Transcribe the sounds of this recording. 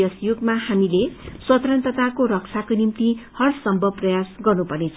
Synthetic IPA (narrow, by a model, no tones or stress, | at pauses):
ʌsjoɡmaɦamileswʌt̪ʌɾʌnt̪ʌt̪akoɾʌk̚t͡sʰakonimt̪ihʌrsʌmbʱʌbprʌjasɡʌrnupʌrnet͡sʰ